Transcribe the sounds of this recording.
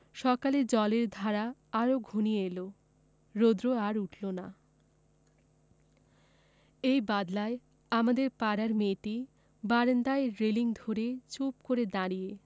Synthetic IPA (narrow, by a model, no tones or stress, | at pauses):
ʃɔkaled͡ʑɔleɾd̪ʱaɾaaɾoɡʱunieelo | ɾod̪ɾoaɾuʈʰlona̰ | ejbad̪lae | amad̪eɾpaɾaɾmeʈi | baɾend̪aeɾeliŋd̪ʱoɾet͡ɕup̚koɾed̪aɽije